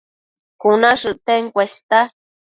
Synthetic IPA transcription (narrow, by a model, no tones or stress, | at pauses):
kunaʂɨt̪eŋkʷest̪a